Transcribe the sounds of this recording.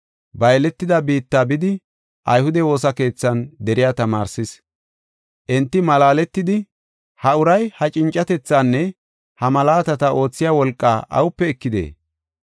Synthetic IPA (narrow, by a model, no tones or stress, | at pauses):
bɐjlɛt̪ːɪd̪ɐbiːt̪ːaːbɪd̪ɪ | ʔɐjhʊd̪ɛwo̞ːsɐke̞ːt͡sːɐnd̪ɛɾɪjat̪ɐmaːɾsɪs | ʔɛnt̪ːɪmɐlaːlɛt̪ːɪd̪ɪ | hɐʊɾɐjhɐt͡ʃʼɪnt͡ʃʼːɐt̪ɛt͡sːanːɛ | hɐmɐlaːt̪ɐt̪ɐʔo̞ːt͡sːɪjaːwɔlkʼːaːʔɐ̰wʊpːɛɛkːɪd̪ḛː